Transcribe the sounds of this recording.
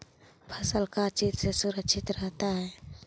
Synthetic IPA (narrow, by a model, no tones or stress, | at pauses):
pʰəsəlkat͡ʃit̪sesʊɾəkʃʰɪt̪ɾəɦt̪aɦɛː